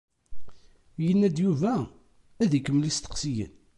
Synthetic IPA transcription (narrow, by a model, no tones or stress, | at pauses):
jənːæd̪juvæ | æðikːəmlist̪ə̥qsijə̰n